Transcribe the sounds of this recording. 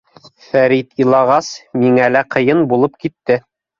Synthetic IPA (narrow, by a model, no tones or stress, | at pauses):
fæɾit̪ilˠɑʁɑsmiŋælæqɤ̆jɤnbulˠɤp̚kit̪ːɘ